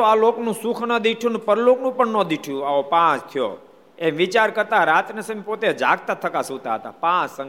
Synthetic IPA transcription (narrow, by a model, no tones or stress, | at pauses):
oaloknũsukʰnəd̪iʈʰjũnũpəɾloknũpəɳnõd̪iʈʰijũaopãt͡ʃt̪ʰijo̰ | emʋit͡ʃaɾkəɾt̪aɾat̪nesəmpot̪ed͡ʒaɡ̚t̪at̪ʰəkasũt̪aɦət̪a̰pãsə̃ŋ